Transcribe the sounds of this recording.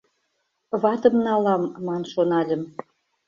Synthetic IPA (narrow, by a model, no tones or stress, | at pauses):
βɑt̪ə̆mnɑlɑmːɑnʃonɑlʲə̆m